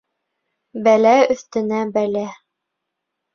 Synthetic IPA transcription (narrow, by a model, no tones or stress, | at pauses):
bælæɵ̆θt̪ɘ̆næbælæ